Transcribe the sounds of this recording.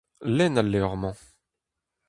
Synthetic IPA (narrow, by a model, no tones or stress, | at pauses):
lɛnalːɛɔʁmɑ̃